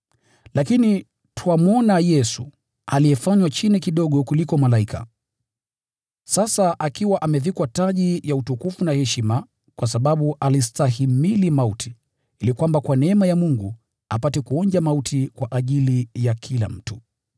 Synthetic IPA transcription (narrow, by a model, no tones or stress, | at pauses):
lakini | tuamɔnajɛsṵ | alijɛfaɲwat͡ʃinikiɗɔɠɔkulikɔmalaikʰa̰ | sasaʔakiwaʔamɛvikwataʄijautukufunahɛʃima | kwʔasaɓaɓuʔalistahimilimautʰi̥ | ilikwambakwanɛɛmajamuŋɡu | apatɛkuɔɲd͡ʒamautʰikwaʔaʄilijakʰila̰m̩tu